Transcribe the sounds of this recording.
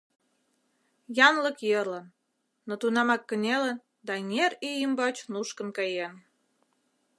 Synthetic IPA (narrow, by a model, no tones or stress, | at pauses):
jɑnlə̆kjərlənː | ot̪unɑmɑkːənʲelən | d̪ɑŋʲerijəmbɑt͡ɕnuʃkə̆nkɑjen